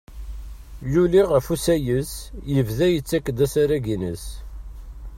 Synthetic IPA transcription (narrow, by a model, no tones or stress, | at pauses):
juliʁəfusæjəsjəvðæjət͡sːækːd̪æsaɾæɡinəs